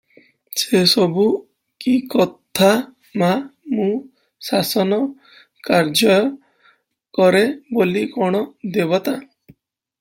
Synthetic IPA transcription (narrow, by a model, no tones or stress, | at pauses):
sesɔbu | kikɔt̪ʰa | mamũ | sasɔnɔ | kaɾd͡ʒɔjɔ | kɔɾebolikɔɽ̃ɔd̪eβɔt̪a